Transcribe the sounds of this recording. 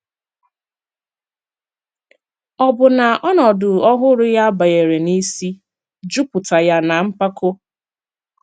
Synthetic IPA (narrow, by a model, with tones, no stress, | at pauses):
ɔ˨bʊ˨na˨ʔɔ˦nɔ˨dʊ˨ɔ˦ɦʊ˦ɾʊ˦ja˦ba˨je˨ɾe˨ni˦si˦ | d͡ʒu˦pʊ˨ta˨ja˦na˨m̩˦pa˦kʰo˦